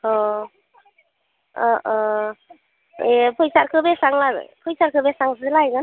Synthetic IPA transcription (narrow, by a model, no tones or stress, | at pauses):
hɔ | ɔʔɔ | epʰɯjsaɾkʰɯbesaŋlaɾ̰pʰɯjsaɾkʰɯbesaŋsɯlajɡan